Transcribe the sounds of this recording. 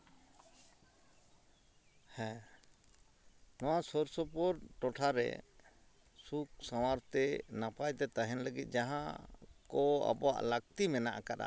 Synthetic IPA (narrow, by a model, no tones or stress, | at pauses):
hɛ̃ | nɔwasɔɾsɔpɔɾʈɔʈʰaɾɛ̰ | suk̚saw̃aɾt̪ɛnapajt̪ɛt̪aɦɛnləɡit̪̚ˀd͡ʒaɦã̰kɔa̰bɔwa̰ʔlək̚t̪imɛnaʔakaɗa̰